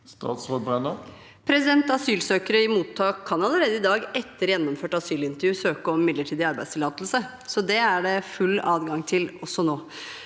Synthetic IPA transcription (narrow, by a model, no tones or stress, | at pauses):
st̪ɑ̰ːt̪sʁoːd̪bʁɛnə | pʰɾɛsɪd̪ɛnt̪ɑsyːlsøːkəɾəɪmuːt̪ʰːɑːkʰːɑnɑləɾeːd̪əɪd̪ɑːɡɛt̪ːəɾjɛnːɔmføːʈɑsyːlɪnt̪əɾjʉːsøːkəɔmmɪd̪ləʈʰiːd̪ɪɑɾbæɪd̪st̪ʰɪlɑːt̪l̩sə | sɔd̪ɛæɖɛfʉlːɑːd̪ɡɑŋt̪ʰɪlɔsːɔnoː